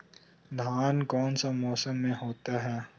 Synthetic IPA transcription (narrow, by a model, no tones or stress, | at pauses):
d̪ʱaːnkɔːnsamɔːsəmːẽɦoːt̪aɦɛː